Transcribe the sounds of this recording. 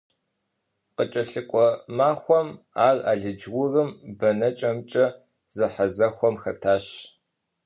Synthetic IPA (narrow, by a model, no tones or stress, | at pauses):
qət͡ʃʼɐɬɨkʷʼɔmaːxʷɔm | aːraːɮɨd͡ʒɣʊrɨmbɐnɐt͡ʃʼɐmt͡ʃʼɐ | z̥ɨħɐzɐxʷɔmxɐtʰaːɕ